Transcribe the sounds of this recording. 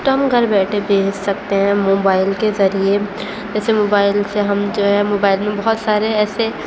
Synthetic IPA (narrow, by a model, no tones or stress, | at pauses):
t̪oɦɐ̃mɡʱɐɾbɛːʈʰebeːssɐk̚t̪eɦɛ̃moːbaːɪlkezɐɾie | d͡ʒɛːsemoːbaːɪlseɦɐmd͡ʒoːɦɛmoːbaːɪlmẽbɐɦʊt̪saːɾeɛːse